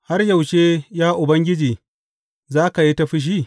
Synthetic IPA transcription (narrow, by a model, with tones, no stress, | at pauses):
ha˦rja˨wʃeː˦jaː˦ʔʊ˨bɐ˦ŋɡʲɪ˦d͡ʒiː˨ | zaː˦ka˨ji˦ta˦ɸi˦ʃ̬iː˦˨